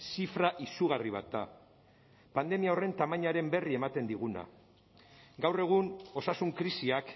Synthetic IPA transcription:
sifɾaʔisuɣ̞ariβ̞a̰t̪̚d̪a̰ | pand̪e̞miao̞re̞nt̪amaɲaɾe̞mbe̞rie̞mat̪e̞nd̪iɣ̞una̰ | ɡawre̞ɣ̞uno̞sasuŋkɾisiak

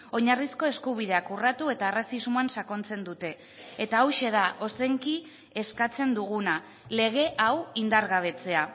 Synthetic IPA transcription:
o̞ɲarisko̞e̞skuβ̞ið̞e̞akurat̪ue̞t̪aerasizmoansako̞nt͡se̞nd̪ut̪e̞ː | t̪aːwʃe̞ð̞aʔo̞se̞ŋki | e̞skat͡se̞nd̪uɣuna | le̞ɣe̞ʔawind̪aɾɣaβ̞e̞t͡se̞a

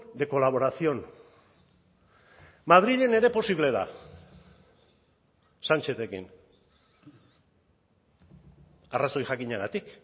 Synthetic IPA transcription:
d̪e̞ko̞laβo̞ɾasio̞n | maðɾiʎe̞ne̞ɾe̞po̞siβle̞ða̰ | sant͡ʃet̪ekḭn | araso̞jxakiɲaɣat̪ik

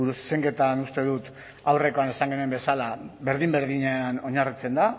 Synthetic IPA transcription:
uɾusseŋɡe̞t̪anust̪e̞ðut̪ | awre̞ko̞ane̞saŋɡe̞nue̞mbe̞salaβe̞ɾðimbe̞ɾðiɲeano̞ɲarit͡se̞nd̪a

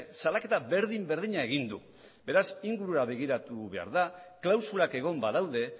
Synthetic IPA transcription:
salake̞t̪aβe̞ɾðimbe̞ɾðiɲae̞ɣ̞ind̪u | be̞ɾasiŋɡuɾuaβe̞ɣ̞iɾat̪uβe̞a̰ɾðaklawsuɾake̞ɣ̞o̞mbaðawðe̞

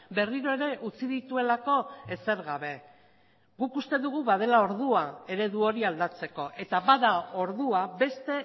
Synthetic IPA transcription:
be̞riɾo̞e̞ɾe̞ʔut͡siðit̪ue̞lako̞e̞se̞ɾɣaβe̞ | ɡukust̪e̞ðuɣ̞uβaðe̞lao̞ɾðuae̞ɾe̞ðuo̞ɾiald̪at͡se̞ko̞ʔe̞t̪aβaðao̞ɾðuabe̞st̪e̞

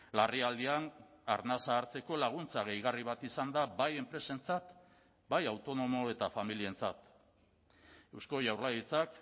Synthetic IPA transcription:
lariald̪iana̰ɾnasaːɾt͡se̞ko̞laɣ̞unt͡saɣ̞e̞jɣ̞ariβ̞at̪isand̪abaje̞mpɾe̞se̞nt͡sat̪ | bajawt̪o̞no̞mo̞e̞t̪afamilie̞nt͡sa̰t̪ | e̞wsko̞ʝawrlajit͡sak

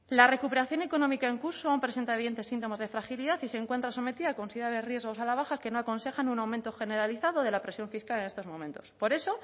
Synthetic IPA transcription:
lare̞kupe̞ɾaθjo̞neko̞nomikae̞ŋkuɾsoawmpɾeent̪aeiðe̞nt̪e̞sːint̪o̞mazðe̞fɾaxiliðaθise̞ŋkwe̞nt̪ɾaso̞me̞t̪iðako̞nsiðaβerje̞zɣo̞salaβ̞axake̞no̞ako̞nse̞xanunawmẽnt̪oxe̞ne̞ɾaliθaðoðe̞lapɾe̞sjo̞ɱfiskalenest̪o̞zmõ̞mẽ̞nt̪o̞̥spo̞ɾe̞so̞

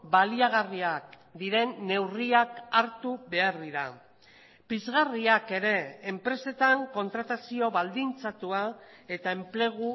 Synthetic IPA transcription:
baliaɣ̞ariak | d̪iɾe̞nːe̞wriakaɾt̪uβe̞aɾðiɾa | pizɣariake̞ɾe̞ːmpɾe̞se̞t̪aŋko̞nt̪ɾat̪asio̞βald̪int͡sat̪ua | e̞t̪ae̞mple̞ɣ̞u

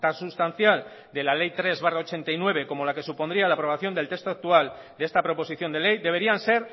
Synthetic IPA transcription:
t̪asust̪an̟θjal | d̪elale̞jt̪ɾe̞zβarao̞t͡ʃe̞nt̪ajnwe̞β̞e̞ko̞mo̞lake̞supo̞nd̪ɾialaːpɾo̞β̞aθjo̞nd̪elt̪e̞st̪oak̚t̪ual | d̪ee̞st̪apɾo̞po̞siθjo̞nd̪e̞le̞jd̪e̞β̞e̞ɾianse̞ɾ

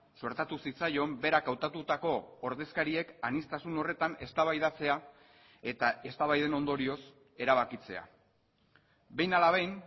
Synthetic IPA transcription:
so̞ɾt̪at̪usit͡sajo̞mbe̞ɾakawt̪at̪ut̪ako̞ːɾðe̞skaɾie̞kanist̪asuno̞re̞t̪ane̞st̪aβajðat͡se̞a | e̞t̪ae̞st̪aβajðe̞no̞nd̪o̞ɾio̞s | e̞ɾaβ̞akit͡se̞a̰ | be̞jnalaβ̞ajn

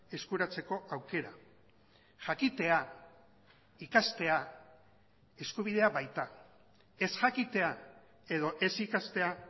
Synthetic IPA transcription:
e̞skuɾat͡se̞ko̞ʔawke̞ɾa | ʝakit̪e̞a | ikast̪e̞a | e̞skuβ̞ið̞e̞aβajt̪a | e̞sʝakit̪e̞a | e̞ð̞o̞ʔe̞sikast̪e̞a

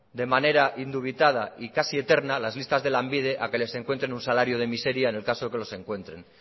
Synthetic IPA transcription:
d̪e̞mane̞ɾaʔind̪uβ̞it̪að̞aikasie̞t̪e̞ɾnalazlist̪azðe̞lambið̞e̞ʔake̞le̞se̞ŋkwe̞nt̪ɾe̞nunsalaɾjo̞ð̞e̞mise̞ɾjaene̞lkasoeke̞lo̞se̞ŋkwe̞nt̪ɾe̞n

